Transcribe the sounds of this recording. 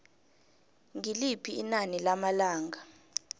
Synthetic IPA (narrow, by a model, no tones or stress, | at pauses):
ŋilipʰiːnanilamalaːŋa